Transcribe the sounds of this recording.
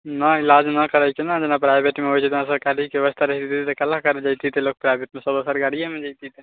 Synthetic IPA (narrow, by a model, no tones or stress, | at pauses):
nailad͡ʒnakəɾəjt͡ʃʰɛnad͡ʒenapɾajbʱeʈmeɦojt͡ʃʰet̪enasəɾkalikeʋəst̪ʰaɾəɦt̪it̪ʰit̪ekəlakəɾed͡ʒajt̪ʰit̪elok̚pɾajbeʈmẽsəbəsəɾɡaɽijamẽd͡ʒaɪt̪it̪e